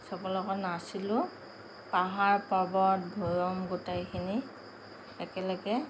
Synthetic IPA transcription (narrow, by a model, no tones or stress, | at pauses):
sɔkɔlɔɡɔnasilʊ | paɦaɹpabɔt̚bʱɔɹɔmɡutajkʰini | ɛkɛlɔɡɛ